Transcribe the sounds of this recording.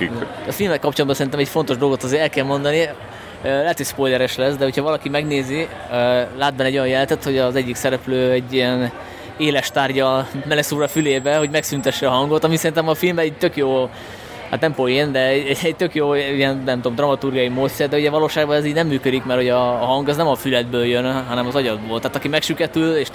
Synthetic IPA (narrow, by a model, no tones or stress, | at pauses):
ɒfilmɛkɒpt͡ʃond̪bɒnsɛɾint̪ɛmɛcfo̞nt̪o̞ʒd̪o̞lɡo̞t̪ɒzeːɾɛlkɛlmo̞nd̪ɒni | ølɛɦɛt̪hocspo̞jlɛɾɛʃlɛsd̪ɛho̞chɒvɒlɒkimɛɡneːzi | ølaːd̪̚bɛnːɛɟojɒ̃njɛlɛnt̪ɛt̪ho̞ɟɒzɛɟːiksɛɾɛpløːɛɟːijɛn | eːlɛʃt̪aːrɟɒmɛlɛsuːɾɒfyleːbɛɦo̞ɟmɛksynt̪ɛʃːɛɒɦɒŋɡo̞t̪ɒmisɛɾint̪ɛmɒfilmɛɛɟ̚t̪økjoː | ha̰ːt̪nɛmpojend̪ɛɛɛɟ̚t̪økjoːijɛnnɛmt̪omd̪rɒmɒt̪urɡijɒjimoːt̪sɛrd̪ɛuɟɛvɒloːʃaːɡbɒnɛziːɟnɛmːyːkød̪ikmɛrho̞ɟɒːɦɒŋɡɛznɛmɒfylɛd̪bøːljønɦɒnɛmɒzɒɟɒd̪̚boːlt̪aːt̪ɒkimɛkʃykɛt̪yleːʃ